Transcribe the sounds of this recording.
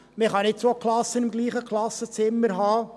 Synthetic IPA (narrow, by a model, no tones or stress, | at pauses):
meχɑnɪt̚t͡soklɑsːənɪmɡliːχəkʰlɑsːət͡sɪmːəɾɦɑː